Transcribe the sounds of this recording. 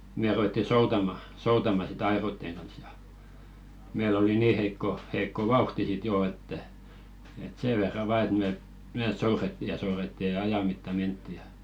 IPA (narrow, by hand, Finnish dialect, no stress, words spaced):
me ruwetːi soutɑmɑ soutɑmɑ sit ɑe̝roĭtːeŋ ɡ̊ɑns jɑ meil oli niː heikːo heikːo ʋɑuhti sit joː etːæ et seː ʋerːɑ ʋɑˑ et me meː souretːi jɑ souretːi jɑ ɑjɑ mitːɑ mentːi jɑ